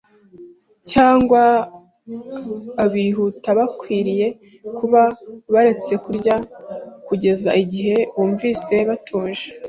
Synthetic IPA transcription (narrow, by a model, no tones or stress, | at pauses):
caːŋɡwa | βiːɦutaβakwiːɾije̞ | kʰuβaβaɾe̞t͡se̞kuɾɟakuɟe̞zaiɟiɦe̞βuːɱviːse̞βatʰuːnʒe